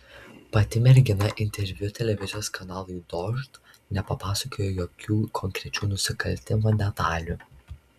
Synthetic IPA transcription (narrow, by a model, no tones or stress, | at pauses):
pɐt̪ʲɪmʲɛɾʲɡʲɪnɐʔɪnʲt̪ʲɛɾʲʋʲjʊt̪ʲɛlʲɛʋʲɪzʲɪjoːskɐnɑːlˠujd̪ɔʃt̪ | nʲɛpɐpɑːsɐkoːjojoːkʲʰuːkʰɔŋʲkɾʲɛt͡ʃʲuːnʊsʲɪkɐlʲˑt̪ʲɪmɐd̪ʲɛt̪ɑːlʲuːˑ